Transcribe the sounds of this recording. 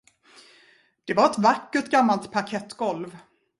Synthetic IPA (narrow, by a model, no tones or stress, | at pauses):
d̪̥ɛvaɾɛt̪vakːəʈɡamːalt̪pʰakʰɛt̪ːɡɔlv